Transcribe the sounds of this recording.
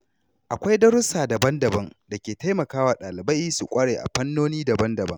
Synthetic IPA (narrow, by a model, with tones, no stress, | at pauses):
ʔa˨kʷa˦jdɐ˦ɾʊ˦saː˨da˨bɐ˦ndɐ˨bɐ˦ŋda˨kʲeː˨ta˦jmɐ˨kaː˦waː˨ɗaː˨lɪ˨bɐ˦jsu˨kʷʼɐ˦ɽeː˨ʔa̰˨ɸɐ˦nːoː˦niː˦dɐ˨bɐ˦ndɐ˨bɐ̰˦ŋ